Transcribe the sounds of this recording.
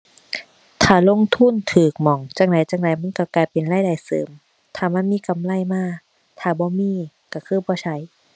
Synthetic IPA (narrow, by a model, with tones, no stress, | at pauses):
t̪ʰaː˧˩lo˧˥˨ŋt̪ʰu˧˥˨nt̪ʰɯː˨˩k̚mɔ˨˩ŋt͡ɕaː˧˩ŋ̚da˨˦jt͡ɕaː˧˩ŋda˨˦jma˧˥˨nka˧˩kaː˨˩jpe˨nlaː˧˥˨jda˨˩jsɤ̰ː˨˦m | t̪ʰaː˧˩ma˧˥˨nmiː˧˥˨ka˨˦mla˧˥˨jmaː˧˥˩ | t̪ʰaː˧˩bɔː˧˦miː˧˥˨ | ka˧˩kʰɯː˧˥˨bɔː˧˦t͡ɕʰa˧˩˨j